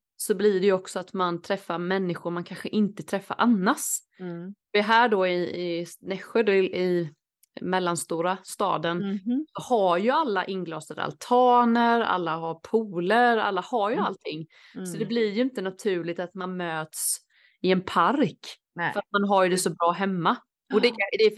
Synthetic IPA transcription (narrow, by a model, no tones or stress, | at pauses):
sɔblɪɖɛjɵɔksɔat̪mant̪ʰɾɛfːaɾmɛnːɪɧʊɾmankʰanɧəʔɪnt̪ət̪ʰɾɛfːa̰ɾʔanːas | vɪɦæːɖɔɪɪnɛɧːəd̪ɪɪ | mɛlːanst̪uːɾast̪ɑ̰ːd̪ənsɔhaɾjɵalːaʔɪnːɡlɑːsad̪ə̰a̰lt̪ʰɑːnəɾa̰lːaɦaɾpʰuːləɾa̰lːahaɾjɵalt̪ʰɪŋː | sɔd̪ɛblɪɾjɵɪnt̪ənat̪ʰʉ̟ːɭɪɡ̚t̪at̪manmøːt̪s | ɪɛnpʰaɾk | fəɾat̪̚manɦaɾjɵd̪ɛsɔbɾɑːɦɛmːa | ɔd̪ɛd̪ɛ